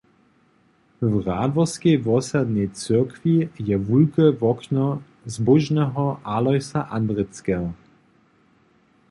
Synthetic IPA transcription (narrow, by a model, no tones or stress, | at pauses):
vʁaːd̪vɔskejvɔsad̪nɛjt͡sɪkvijɛvulkəvɔknɔ | zbʊʒnɛɦɔʔalɔjsaʔand̪ʁɛt͡skɛɔ